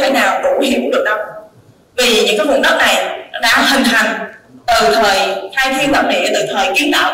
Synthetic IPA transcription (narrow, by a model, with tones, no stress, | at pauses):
t̪ʰe˨˦naː˨˩wɗu˧˩hḭ˧˨əwɗɨ˨˩ək̚ɗa˧w | vi˨˩ɲɨ̰˧˥ŋkaː˨˦jvʊ˨˩ɗə˦˥t̚na˨˩jɗa̰ː˧hï˨˩ŋ̟t̪ʰa˧˩ŋt̪ɨ˨˩t̪ʰəː˨˩jhaː˧jt̪ʰi˧lwaː˨˩t̚nḭ˧˨ət̪ɨ˨˩t̪ʰəː˨˩jki˨˦ənɗə˧˩